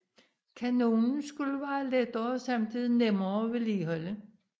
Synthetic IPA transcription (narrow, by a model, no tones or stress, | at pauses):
kʰænoːnn̩sɡ̥uləʋæːɐled̥ɐsɑ̈mdʰiðˠnemɐʋe̝liːɦɒlə